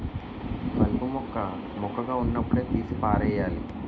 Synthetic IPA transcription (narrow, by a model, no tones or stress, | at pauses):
kɐlpumɔkːɐ | mɔkːɐɣaːunːɐpːuɽeːt̪iːsipaːɾɐjaːli